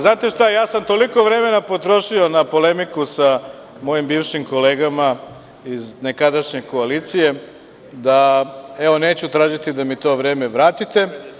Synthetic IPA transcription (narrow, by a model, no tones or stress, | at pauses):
znaːt̪e̞ʃt̪ajaːsamt̪o̞liko̞ʋɾe̞me̞napo̞t̪ɾo̞ʃio̞napo̞le̞mikusa | mo̞jimbiːʋʃimko̞le̞ːɡama | izne̞kad̪aʃɲe̞ko̞aliːt̪sije̞ | d̪aeʋo̞ne̞ːt͡ɕut̪ɾaːʒit̪id̪amit̪o̞ːʋɾe̞ːmeʋɾaːt̪it̪e̞